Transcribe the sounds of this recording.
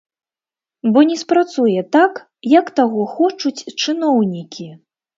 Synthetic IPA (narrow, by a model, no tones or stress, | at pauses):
bɔnʲɛspɾat̪sujɛt̪ak | jɐkt̪aɣɔxɔt͡ʂut͡sʲt͡ʂɨnɔwnʲikʲi